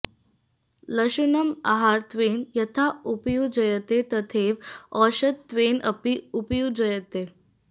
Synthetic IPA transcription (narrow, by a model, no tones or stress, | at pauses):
ləɕunəma̰ɦaɾt̪ʋenjɐt̪ʰaʔupjud͡zəjət̪et̪ət̪ʰeʋɔɕət̪ːʋenə̰piupjud͡zəjət̪e